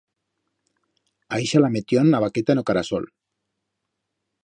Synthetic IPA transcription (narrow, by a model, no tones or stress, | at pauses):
aiʃalamet̪jonaβaket̪anokaɾaso̰l